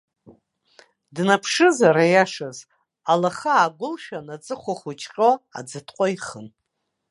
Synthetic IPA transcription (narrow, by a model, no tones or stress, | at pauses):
dnapʰʂɨzaɾajaʂaz | alaχaːɡʷʊlʃᶣanat͡sʼɨχʷaχʷut͡ʃʰʼqʼoa̰d͡zɨtʰqʷʼojχən